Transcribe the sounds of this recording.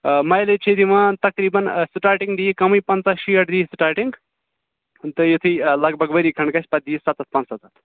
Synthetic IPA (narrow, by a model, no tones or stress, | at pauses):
mɐjlet͡ʃʰid̪imãt̪ɐkɾiːbɐnsiʈaːʈiŋɡd̪iːkɐmɨjpɐnt͡saʃiːɐʈʰd̪iːsɨʈaːʈiŋɡ | t̪ɨjet̪ʰɨjlɐɡ̚bʱɐɡbɐɾikʰɐɳkɐsʰʲpɐt̪̚d̪iːsat̪ɐt̪̚ʰpɐ̃nt͡ssɐt̪ɐt̪ʰ